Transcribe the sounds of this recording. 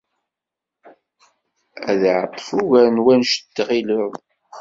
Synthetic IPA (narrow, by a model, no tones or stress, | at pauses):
æ̰ðʕət̪ˤːfuʝænwænʃə̥d̪ːʁiləð